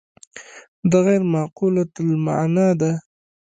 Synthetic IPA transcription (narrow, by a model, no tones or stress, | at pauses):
d̪əɣaɾmɑqulat̪lma̰nɑd̪a